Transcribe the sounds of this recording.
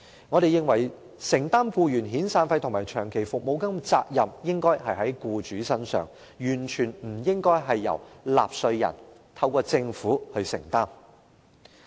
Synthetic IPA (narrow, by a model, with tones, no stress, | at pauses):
ŋɔː˨˧ɾe˨jːɪ˨ŋwɐ˨˩j | sɪ˨˩ŋt̪aː˥mfuː˧jyː˨˩nɦiː˨˥nsaː˧nfɐ˧jt̪ʰmaː˨jt͡ʃʰœː˨˩ŋkʰe˨˩jfʊ˨k̚mo˨˧wkɐ˥mt͡sa̰ː˧k̚jɐ˨mjɪ˥ŋkɔː˥jɦɐ˨jɦɐ˨˥jkuː˧t͡ʃyː˨˥sɐ˥nsœ̰ː˨ŋ | jyː˨˩nt͡ʃʰyː˨˩nm̩˨˩jɪ˥ŋkɔː˥jɦɐ˨jːɐ̰˨˩wla̰ː˨p̚sɵ˧ɥjɐ̰˨˩nt̪ʰɐ˧wkɔː˧t͡sɪ˧ŋfuː˨˥hɵ˧ɥsɪ̰˨˩ŋt̪aː˥m